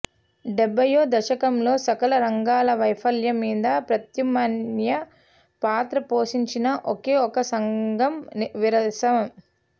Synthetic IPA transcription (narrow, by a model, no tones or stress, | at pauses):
ɖɛbːɐjoːd̪ɐʃɐkɐmlo̞ːsɐkɐɭɐɾɐŋɡaːlɐʋɐjpʰɐljɐmːiːd̪ɐpɾɐt̪jɐmɐnjɐ | paːt̪ɾɐpoːʃiɲt͡ʃinɐʔoke̞ːɔkɐsɐŋɡɐmʋiɾɐsɐʋɐm